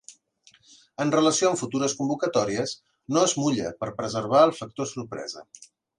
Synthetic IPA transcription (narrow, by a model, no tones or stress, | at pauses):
ənrələsioəɱfut̪uɾəskumbukət̪ɔɾiəs | noəzmuʎə̰pəɾpɾəzəɾβ̞aəlˠfək̚t̪osurpɾɛ̰zə̰